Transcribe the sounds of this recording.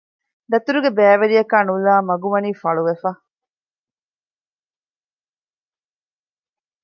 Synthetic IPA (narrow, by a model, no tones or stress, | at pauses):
d̪ɐt̪uɾuɡebæːʋeɾijɐkaːnulaːmɐɡuʋɐniːfɐɭuʋefɐ